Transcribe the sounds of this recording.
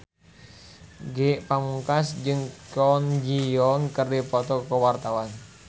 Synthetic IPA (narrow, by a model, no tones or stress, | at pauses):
ɡeʔpamuŋkasd͡ʒɨŋkɔnd͡ʒiɔŋkərdipɔt̪ɔkəwart̪awan